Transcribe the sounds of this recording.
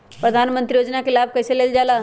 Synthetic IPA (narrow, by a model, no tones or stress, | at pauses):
pɾəd̪ʱaːnmə̃nt̪ɾijoːd͡ʒnakɪlaːb̚kɐjseleːld͡ʒaːla